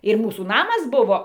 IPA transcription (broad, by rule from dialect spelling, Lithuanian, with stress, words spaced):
ɪr ˈmuːsuː ˈnɑːmɐs ˈbʊʋoː